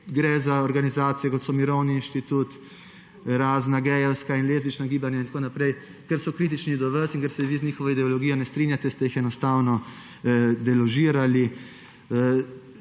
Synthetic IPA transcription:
ɡɾɛzaɔɾɡanizaːt̪sijɛkɔt̪sɔmiɾɔwniːnʃt̪it̪ut̪ | ɾaːznaɡɛːjɛwskainlezbit͡ʃnaɡiːbanjaint̪koːnapɾɛj | kɛɾsɔkɾiːt̪̬it͡ʃnid̪ɔʋəsiŋkɛɾsɛʋiznʲiːxɔʋɔid̪ɛɔlɔɡijɔnɛst̪ɾinjat̪ɛst̪ɛjixɛnɔst̪aːwnɔ | d̪ɛlɔʒiːɾali

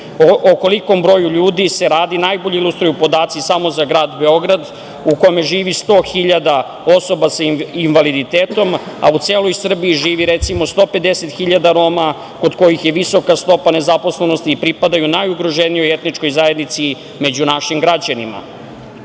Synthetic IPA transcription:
oko̞liko̞mbɾo̞juʎuːd̪ise̞ɾaːd̪inajboʎiilˠust̪ɾujupo̞d̪aːt̪sisamozaɡɾaːd̪be̞o̞ɡɾad̪ | uko̞me̞ʐiːʋist̪o̞ːxiʎad̪a | o̞so̞basainʋalid̪it̪eːt̪o̞ma̰ut̪seːlo̞jsr̩biːʒiːʋiɾet̪simo̞st̪o̞ːpe̞d̪eset̪xiʎad̪aɾo̞ma | ko̞d̪ko̞jixje̞ʋiso̞kast̪o̞pane̞zapo̞sle̞no̞st̪iːpɾipad̪ajunajuɡɾo̞ʒenijoje̞t̪nit͡ʃko̞jzaje̞d̪nit̪si | me̞d͡ʑunaʃimɡɾad͡ʑanima̰

